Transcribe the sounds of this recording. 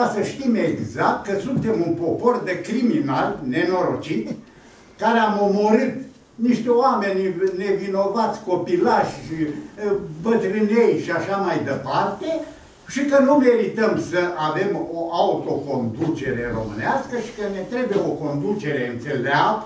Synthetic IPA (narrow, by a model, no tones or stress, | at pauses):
kasəʃt̪imeɡzak̚t̪̚kəsunt̪e̞munpo̞po̞rd̪ekɾiminalne̞no̞ɾo̞t͡ʃit̪ʲ | kaɾeamo̞mo̞ɾɨt̪ | niʃt̪eoame̞nʲne̞vino̞vat̪sʲko̞pilaʃʲʃi | bət̪ɾɨnejʃiaʃamajd̪epart̪e | ʃikənume̞ɾit̪əmsəʔave̞moʔaut̪o̞ko̞nd̪ut͡ʃe̞ɾe̞ro̞mɨneaskəʃi̥kəne̞t̪ɾe̞bujeoko̞nd̪ut͡ʃe̞ɾe̞ɨnt̪seleab